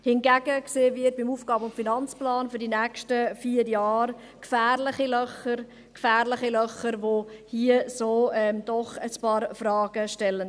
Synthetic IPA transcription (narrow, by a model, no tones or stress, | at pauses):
hɪnɡæːɡ̥əkseːvɪt̚b̥ɪmuːfɡ̥ɑːbəʊntfinɑnt͡splɑːnfyɾdinɛːkʃtəfiːəɾjɑːɾ | kfæːɾlɪχilœχəɾ | kfæːrlɪχilœχəɾʋohiəsoːɛmd̥ɔχəspɑːɾfrɑːɡ̥əʃtɛlːən